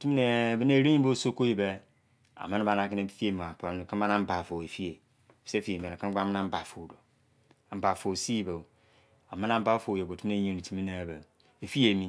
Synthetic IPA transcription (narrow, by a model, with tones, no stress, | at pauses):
o˨tu˦m˦ne˨bi˦ne˦˨ɾe˦ɲi˦o˦so˦ko˦ji˦˨be˦ | a̰˨ma˦n˦ba˨na˨ki˦ne˨˦i̥˦fi˦e˨˦m˨a˨pa˨n˨ka˦ba˦na˦m̩˦ba˨fo˨e˨fi˦e˨ | fse˦fi˦je˨m˨e˨ne˨ka˦ɡ͡ba˦ma˦na˦m̩˦ba˨fo˨do˨ | m̩˨ba˨fo˨si˦ba˨ | a˨ma˦na˦m̩˦ba˦fo˨jo˨o˨tu˦m˦e˨˦ɲe˨ni˨ti˨mi˦ne˨be˨ | e˨fi˦e˨mi˦